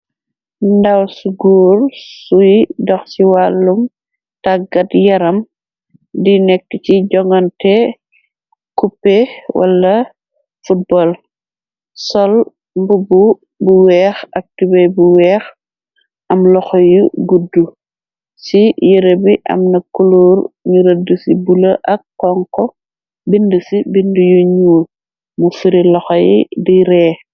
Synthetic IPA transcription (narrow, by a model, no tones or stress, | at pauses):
ndawsuɡuːɾsujdɔxsiwalːum | taɡɐtjɐɾɐm | dinɛkːət͡ʃiɟɔŋɡɐntɛ | kupːɛwɐ̰lːɐ | fut̚bɔl | sɔl | mbubu | buwɛːxɐk̚tibɐjbuwɛːx | ʔɐmlɔxɔjuɡudːu | sijiɾebiʔɐ̰mnɐkːuluːɾɲuɾɐdusibulɐʔɐkːɔŋkɔ | bindusibindujuɲuːl | mufiɾilɔxɔjḭdiɾɛː